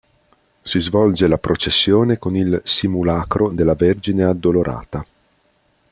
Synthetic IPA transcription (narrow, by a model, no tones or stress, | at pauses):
sizvɔld͡ʒelapɾot͡ʃesːjoːnekonilsimulaːkɾod̪elːaverd͡ʒinead̪ːoloɾʔa̰ːt̪a